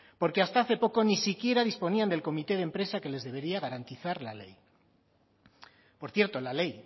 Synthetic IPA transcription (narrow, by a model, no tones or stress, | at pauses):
po̞ɾke̞ast̪aaθe̞po̞ko̞nisikje̞ɾaðispo̞niand̪e̞lko̞mit̪e̞ð̞e̞mpɾe̞sake̞le̞zðe̞β̞e̞ɾiaɣ̞aɾant̪iθaɾlale̞̰j | po̞ɾθje̞ɾt̪o̞lale̞j